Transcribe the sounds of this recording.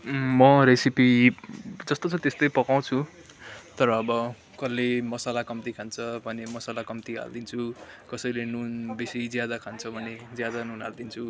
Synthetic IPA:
mʌɾesipi | d͡zʌst̪ot͡sʰʌt̪est̪ʌjpʌkaw̃t͡sʰu | t̪ʌɾʌːbʌ | kʌlːemʌsalakʌmt̪ikʰant͡sʰʌbʱʌnemʌsalakʌmt̪iɦa̰ld̪int͡sʰukʌsʌjlenunbisid͡zjad̪akʰant͡sʰʌbʱʌned͡zjad̪anunɦa̰ld̪int͡sʰu

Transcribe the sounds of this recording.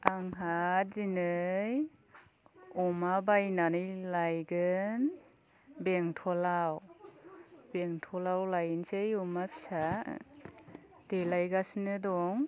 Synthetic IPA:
aŋɦat̚zinɯj | ɔmabajnanɯjlajɡɯn | beŋtʰɔlaw | beŋtʰɔlawlajnsejɔmapʰi̥sa̰ | delajɡasnɯdɔŋ

